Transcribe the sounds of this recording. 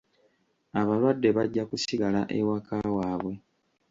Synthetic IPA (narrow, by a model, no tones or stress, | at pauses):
aβalwadːe̞βaɟːakusiɡalaʔḛwakʰawaːβwe̞